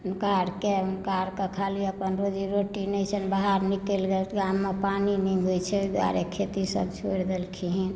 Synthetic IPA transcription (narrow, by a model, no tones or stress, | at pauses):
nkaɾkenkaɾkakʰaliəpənɾod͡ʒiɾoʈinɛt͡ʃʰənbaɦaɾnikelɡelt̪ɡamːepaniniɦojt͡ʃʰɛd̪wa̰ɾekʰet̪isə̰bt͡ʃʰoɾd̪elkʰiɦin